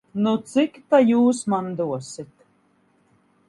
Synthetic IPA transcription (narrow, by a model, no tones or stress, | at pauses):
nut̪sikt̪ajuːsmand̪uɔsit̪